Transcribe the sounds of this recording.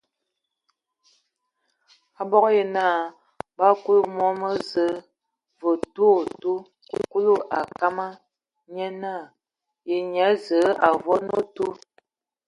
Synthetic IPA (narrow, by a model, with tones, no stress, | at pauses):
a˨bɔ˦kje˨na˦˨ | ba˦ku˦lu˦mɔ˦mə˦zə˨˦ | və˨tu˦˨tu˦ | ku˦ku˦lu˦ʔa˨ka˦ma˦ | ɲɛ˦na˦˨ | je˨ɲa˨˦zə˨˦a˨vɔ˦no˦tu˦